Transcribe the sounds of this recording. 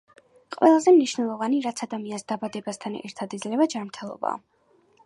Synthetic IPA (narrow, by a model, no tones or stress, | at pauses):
qʼwɛlˠazɛmniʃnɛlˠɔvaniɾat̪sʰad̪amiansd̪abad̪ɛbast̪ʰanɛ̰ɾt̪ʰad̪id̪zlɛvad͡ʒanmɾt̪ʰɛlˠɔ̰ba̰